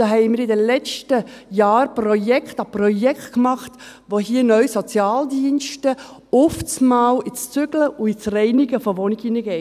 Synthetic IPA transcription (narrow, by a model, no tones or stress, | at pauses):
daɦɛɪmiːɾɪdəlɛt͡ʃtəjaːɾprɔjɛkχtɑprɔjɛktkmɑχt | ʋohiːənœʏsɔt͡sjaːldiənʃtə | ʊft͡smaːwʔit͡st͡sʏɡ̥ləʔʊit͡srɛɪniɡəfɔʋɔniɡinəɡɛɪ